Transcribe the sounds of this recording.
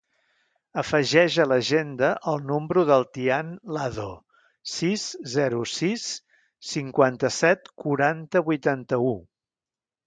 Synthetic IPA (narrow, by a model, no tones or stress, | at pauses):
əfəʒɛʒələʒend̪əʔəlˠnombɾuðəlˠt̪ianlaðo | sizzɛɾusisː | iŋkwant̪əsɛt̪kuɾant̪əβujt̪ant̪əu